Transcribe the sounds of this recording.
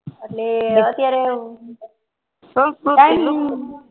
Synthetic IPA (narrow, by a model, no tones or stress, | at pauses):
əʈleət̪jaɾe | soua